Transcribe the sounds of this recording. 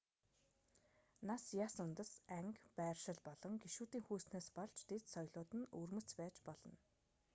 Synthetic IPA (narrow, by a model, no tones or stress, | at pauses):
nasjasʊnt̪ə̆sæŋkpæːrʃɪ̆ɮpɔɮɞ̆ŋɡeʃuːt̪iːŋxuːsnaːspɔɮt͡ɕt̪ʰet̪sɔjɮʊːt̪ɘ̆nɵrmɵ̆ɬt͡spæːt͡ɕpɔɮɞ̆n